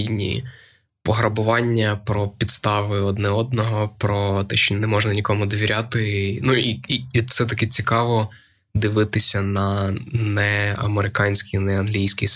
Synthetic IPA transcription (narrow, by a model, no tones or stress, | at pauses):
inʲḭ | pɔɦɾɐbʊʋɑnʲːɐpɾɔpʲid̪st̪ɑʋɪɔd̪nɛɔd̪nɔɦɔpɾɔt̪ɛʃt͡ʃɔnɛmɔʒnɐnʲikɔmʊd̪ɔʋʲiɾʲat̪ɪnuifsɛt̪ɐkɪt͡sʲikɑʋɔ | d̪ɪʋɪt̪ɪsʲɐnɐnɛɐ̰meɾɪkɑnʲsʲkʲijnɛɐnɦlʲijsʲkʲi